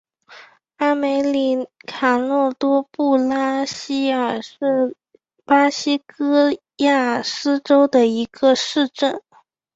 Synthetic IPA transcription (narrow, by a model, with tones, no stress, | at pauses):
a˥me˧˥ɪli˧˨˥kʰa˨˩lwɔ˥˩t̪wɔ˥pu˥˩la˥ɕi˥ə˞˨˩ʂɻ̩˥˩ | pa˥ɕi˥kɤ˥ | ja˥˩ʂ̩˥ʈ͡ʂo˥ʊd̪ə˨i˧˥ɡə˧ʂɻ̩˥˧ʈ͡ʂə˥˩n